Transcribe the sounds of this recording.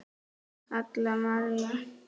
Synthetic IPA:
at̪lamaɾja

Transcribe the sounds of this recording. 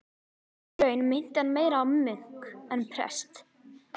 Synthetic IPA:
ɾœːɥnmɪn̥t̪ɛnmeːjɾaɔmʏŋ̥kɛnpʰɾɛ̰st̪

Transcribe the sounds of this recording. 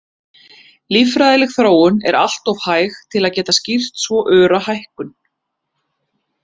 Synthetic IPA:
lifɾajðɪlɪxθɾoːwʏnɛ̰ɾa̰l̥t̪ɔv̥haːjxt̪ʰɪlaðcɛːt̪ascir̥t̪svɔʔœːɾahajhkʏn

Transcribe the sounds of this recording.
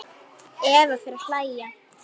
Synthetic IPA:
ɛːvafɪɾaflaja

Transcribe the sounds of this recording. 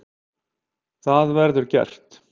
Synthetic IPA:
θaðvɛɾðʏɾcɛ̰r̥t̪

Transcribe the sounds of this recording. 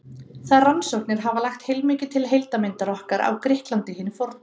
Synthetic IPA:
θaðransɔwhknɪɾ̥ɦavalaxt̪hejlmɪːcɪt̪ʰɪlɦejlt̪amɪnt̪aɾɔhkaɾʔa̰wkɾɪhklant̪ɪhɪːnɪfɔɾt̪

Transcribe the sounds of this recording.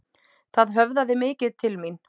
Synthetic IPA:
θaðɦœvðaðɪmɪːcɪðt̪ʰɪlmin

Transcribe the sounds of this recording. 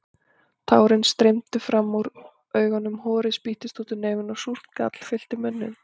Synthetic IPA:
t̪ʰa̰ːwɾɪnst̪ɾejmt̪ɪfɾamːawɾ | œːɥɣanːʏmhɔːɾɪspiht̪ɪst̪uːt̪ʏneːjvɪnawsur̥t̪ka̰t̪l̥fɪl̥t̪ɪmʏnːɪ̰n

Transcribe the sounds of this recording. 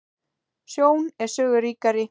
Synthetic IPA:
sjoːwnɛɾ̥sœːɣʏɾiːkaɾɪ

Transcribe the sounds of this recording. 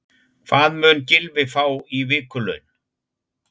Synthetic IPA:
θaːðmʏːncɪlvɪfaːwivɪːkʏlœ̰ɥn

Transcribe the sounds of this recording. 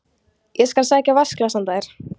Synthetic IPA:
jɛskalsaːcavasklasamt̪aɾ̥

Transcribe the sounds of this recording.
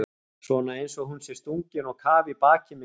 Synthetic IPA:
svɔːnaejnsɔɣɦunsjɛɾst̪uɲcɪnɔɣkʰaːvɪpaːcɪm

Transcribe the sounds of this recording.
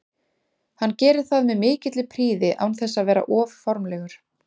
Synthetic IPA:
hanːcɛːɾɪð̥θaðmɛðmɪːcɪt̪lɪpʰɾiːðɪʔa̰wnθɛsːaðvɛːɾa̰ʔɔːvfɔɾmlɛɣʏɾ̥

